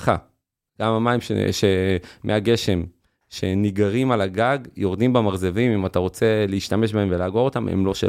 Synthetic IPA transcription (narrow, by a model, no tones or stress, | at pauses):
χa̰ | ɡ̥amamaimʃḛʃemʔeaɡe̞ʃe̞m | ʃe̞niɡaʁimalaɡaɡjo̞ʁd̪imbamaʁzevimimat̪aʁo̞t͡se̞leiʃtame̞ʃ̬bae̞mvelaːɡoo̞tamḛmlo̞ʃḛ